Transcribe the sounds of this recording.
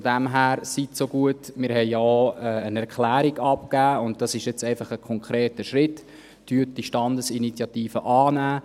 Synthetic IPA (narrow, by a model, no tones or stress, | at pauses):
fodæmɦæːɾsitsoɡuətmɪɾɦɛɪjaoɛːənɛɾkʰlæːɾiɡɑpkæːʊnt̚d̥ɑsɪʃɪt͡sɛɪfɑχəkʰɔŋkʰɾeːtəʃɾɪt | tyət̚diʃtɑndəsinit͡sjɑtiːfəʔɑːnæː